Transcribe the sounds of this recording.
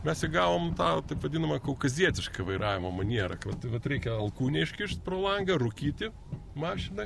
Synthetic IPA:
mʲɛsɪɡɑːʋoːmt̪ɑːt̪ɐɪpʋɐd̪ʲɪnɐmɐkɐʊkɐzʲiɛt̪ʲɪʃkɐʋɐɪɾʔɑːʋʲɪmɐmɐnʲiɛɾɐ̰kʋɐt̪ʋɐt̪ɾʲɛɪkʲɛɐlˠkuːnʲɛɪʃʲkʲɪʃt̪̚ʲpɾoːlˠɐŋɡɐrʊkʲiːt̪ʲɪ | mɑːʃʲɪnɐ

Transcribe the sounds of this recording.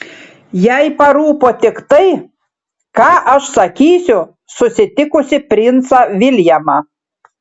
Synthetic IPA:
jæjpɐɾuːpoːt̪ʲɪkt̪ɐɪ | kɑːʔɐʃsɐkʲiːsʲʊ | sʊsʲɪt̪ʲɪkʊsʲɪpʲɾʲɪnt̪sɑʋʲɪlʲjæmɑ

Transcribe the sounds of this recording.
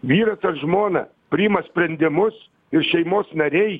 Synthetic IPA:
ʋʲiːɾɐsɐtʒmoːnɐ̰ | pʲɾʲɪɪmɐsʲpʲɾʲɛnʲd̪ʲɪmʊs | ɪɾʃʲɛɪmoːsnɐɾʲɛɪ

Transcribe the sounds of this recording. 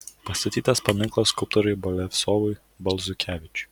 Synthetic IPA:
pɐsʲt̪ɐt̪ʲiːt̪ɐspɐmʲɪŋklˠɐskʊlˠp̚t̪ɔɾɐɪbɐlʲɛfʲsoːʋʊɪ | bɐlˠzʊkʲæːʋʲɪt͡ʃʲʊ̥

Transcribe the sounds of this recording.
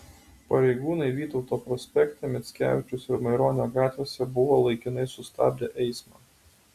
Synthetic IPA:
pɐɾʲɛɪɡuːnɐɪʋʲiːt̪ɒʊt̪oːpɾɔsʲpʲɛkt̪ʲɑmʲɪt̪sʲkʲæ̰ːʋʲɪt͡ʃʲʊsɪɾmɐɪɾoːnʲoːɡɑːt̪ʲʋʲesʲɛbʊʋoːlˠɐɪkʲɪnɐɪsʊst̪ɑ̰ːbʲd̪ʲeʔɛɪsmɑː

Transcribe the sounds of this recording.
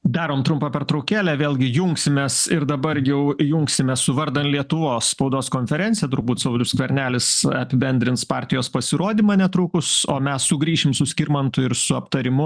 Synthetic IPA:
d̪ɑːɾoːmt̪ɾʊmpɐpʲɛrt̪ɾɐʊkʲæːlʲæʋʲeːlˠʲɡʲɪjʊŋksʲɪmʲeːsɪɾd̪ɐbɐrjɛʊjʊŋksʲɪmʲeːssʊʋɐɾd̪ɐnt̪lʲiɛt̪ʊʋoːsspɐʊd̪oːskoːnʲfʲɛɾʲɛntsʲɪjɛt̪ʊɾbuːt̪sɐʊd̪ʲʊskʋʲɛɾʲnʲæːlʲɪsɐpʲɪbʲɛnʲd̪ʲɾʲɪntspɑːɾʲt̪ʲɪjoːspɐsʲɪɾoːd̪ʲiːmɑːnʲɛt̪ɾʊːkʊsoːmʲɛsːʊɡɾʲiːʃʲɪmsʊsʲkʲɪɾmɐnt̪ʊɪɾsʊɐpt̪ɐɾʲɪmʊ

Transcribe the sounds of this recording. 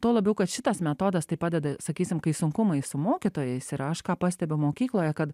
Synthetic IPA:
t̪uɔlˠɐbʲukɐʃʲɪt̪ɑːsmʲɛt̪oːd̪ɐst̪ɐɪpad̪ʲɛd̪ɐsɐkʲiːsʲɪmkɐisʊŋkumɐjsʊmoɔkʲit̪oːjɛjsɪɾɐʃkɑːpasʲt̪ʲɛbʲʊmoːkʲiːklˠoːjakɐd̪

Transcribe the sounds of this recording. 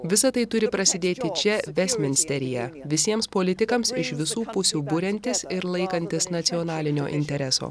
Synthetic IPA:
ʋʲɪsɐt̪ɐɪt̪ʊɾʲɪpɾɐsʲɪd̪ʲeːt̪ʲɪt͡ʃʲɛʋʲɛsʲmʲɪnʲsʲt̪ʲɛɾʲɪjɛʋʲɪsʲiɛmspoːlʲɪt̪ʲɪkɐmsɪʃʋʲɪsuːpʊsʲuːbʊɾʲɛnʲt̪ʲɪsɪɾlˠɐɪkɐnʲt̪ʲɪsnɐt̪sʲɪɔnɑːlʲɪnʲoːʔɪnʲt̪ʲɛɾʲɛso̰ː

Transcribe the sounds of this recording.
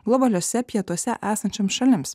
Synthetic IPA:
ɡlˠɔbɐlʲoːsʲɛpʲiɛt̪uɔsʲɛʔæːsɐnʲt͡ʃʲɛmsʃɐlʲɪms

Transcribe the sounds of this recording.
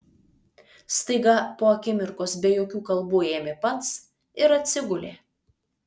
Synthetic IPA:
st̪ɐɪɡɐpoːɐkʲɪmʲɪɾkoːsbʲejoːkʲuːkɐlˠbuːeːmʲepɐt̪s | ɪɾɐt̪ʲsʲɪɡʊlʲḛː

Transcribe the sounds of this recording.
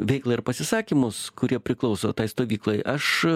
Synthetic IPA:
ʋʲɛɪklˠɐɪɾpɐsʲɪsɑːkʲiːmʊskʊɾʲiɛpʲɾʲɪklˠɒʊsoːt̪ɐɪst̪oːʋʲiːklˠɐɪʔɐʃ

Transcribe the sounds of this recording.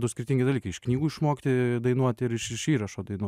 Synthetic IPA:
d̪ʊskʲɪɾʲɪt̪ʲiŋʲɡʲɪd̪ɐlʲiːkɐɪɪʃknʲiːɡuɪʃmoːkʲt̪ʲɪd̪ɐɪnuɔt̪ʲɪɾɪʃɪʃiːɾɐʃoːd̪ɐɪnuɔ

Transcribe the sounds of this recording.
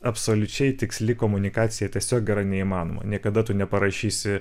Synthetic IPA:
ɐpsoːlʲʊt͡ʃʲɛɪt̪ʲɪksʲlʲɪkoːmʊnʲɪkɑːt̪sʲɪjɛtʲiɛsʲoːk̚ɡʲɛɾɐɪnʲɛiːmɑːno̰ːmɐ̰nʲiɛkɐd̪ɐt̪ʊnʲɛpɐɾɐʃʲiːsʲɪ

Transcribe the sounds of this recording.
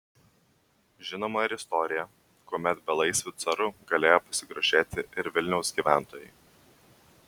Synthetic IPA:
ʒʲɪnoːmɐɪɾɪst̪ɔɾʲɪjɛ | koɔmʲɛt̪bʲɛlˠɐɪsʲʋʲɪt̪sɐɾʊɡɐlʲeːjoːpɐsʲɪɡɾoʒʲeːt̪ʲɪʔɪɾʋʲɪlʲnʲɛʊsɡʲiːʋʲæˑnˑt̪oːjɛɪ

